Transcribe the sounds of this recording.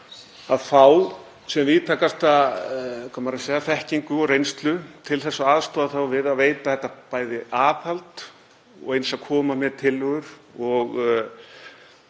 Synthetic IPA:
aðθaw | sɛmviːðt̪ʰaːkast̪a | kʰɔmaɾaseːɣaθɛhciŋkʏɔɾejnst̪lʏt̪ʰɪlθɛsːaaːðst̪ɔːðaθawvɪðaðveːjt̪aθɛht̪ːapaːjðɪʔaːphalt̪ | ɔ̰ɣejnsaðkʰɔːmamɛðt̪ʰɪlːʏɣʏɾ̥ | ɔɣ

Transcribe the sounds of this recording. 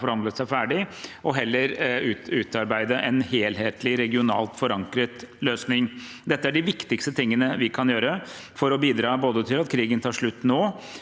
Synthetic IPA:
fɔɾhɑnd̪əsæɪfæːɖɪɔɦɛlːəɾʉʉːt̪ɑɾbæɪd̪əʔɛnheːlɦeːt̪ʰlɪɾɛɡɪʊnɑ̰ːlt̪fɔɾɑŋkɾət̪løːsnɪŋ | d̪ɛt̪ːəæɖɪʋɪkt̪ɪkst̪ət̪ʰɪŋːənəʋɪkʰɑnjøːɾə | fɔɾɔbiːd̪ɾɑːboːd̪ət̪ʰɪlɑt̪kʰɾiːɡənt̪ʰɑːʂɭʉt̪ːnoː

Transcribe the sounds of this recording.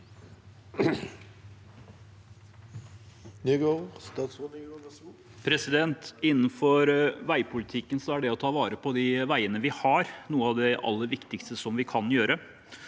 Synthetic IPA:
nyɡost̪ː | pʰɾɛsɪd̪ɛnt̪ɪnːənfɔɾʋæɪpʰʊlɪt̪ʰɪkːənsɔæɖɛɔt̪ʰɑːʋɑːɾəpʰɔd̪ɪʋæɪənəʋɪhɑɾnuːəɑʋd̪ɛʔɑ̰lːəɾʋɪkt̪ɪkst̪əsɔmʋɪkʰɑnjøːɾə

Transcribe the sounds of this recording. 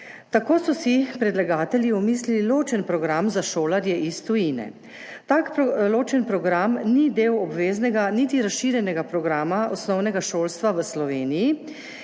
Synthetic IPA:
t̪akoːsɔsipɾɛd̪laɡaːt̪ɛljiɔmiːslililoːt͡ʃɛnpɾɔɡɾamzaʃoːlaɾjɛʔist̪ujiːnɛ̰ | t̪aːkloːt͡ʃɛnpɾɔɡɾamnid̪eːwɔbʋeːznɛɡanit̪iɾasʃiːɾjɛnɛɡapɾɔɡɾaːmaɔsnɔwnɛɡaʃoːlst̪ʋaʋəslɔʋeːniji

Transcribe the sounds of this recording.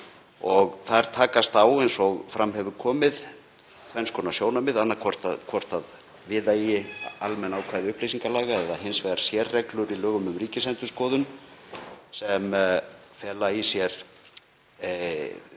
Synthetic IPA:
ɔɣθaðɛɾ̥t̪ʰaːkast̪awejnsɔɣfɾʔamɦɛvʏɾkʰɔːmɪð | kʰvɛnskʰɔːnasjoːwnamɪðanːaɾkʰvɔr̥t̪akʰvɔr̥t̪að | vɪːðaijɪalmɛnaːwkʰaːðɪʏhplejsiŋkalaːɣaɛðaɦɪnsvɛɣaɾ̥sjɛrːɛklʏɾilœːɣʏmʏmriːcɪsɛnt̪ʏɾ̥skɔːðʏn | sɛmfɛːlaisjɛɾ̥

